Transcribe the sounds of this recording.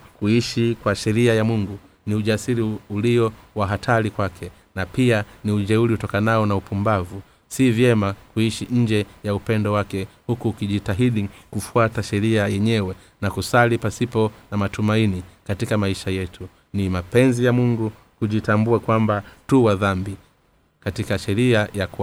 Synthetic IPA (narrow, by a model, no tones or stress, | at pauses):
kuiʃikwaʃɛɾiajamuŋɡu | niuʄasiɾiuliɔwaɦatʰalikwakʰɛ | napianiuʄɛuliutɔkanaɔnaupumbavu | sivjɛmakuiʃiɲ̩d͡ʒɛjaupɛndɔwakɛhukuːkiʄitaɦiɗikufuataʃɛɾiajɛɲɛwɛ | nakusalipasipɔnamatumainikatikamaiʃajɛtu | nimapɛnzijamuŋɡu | kuʄitambuakwambatuwaðambi | katikaʃɛɾiajak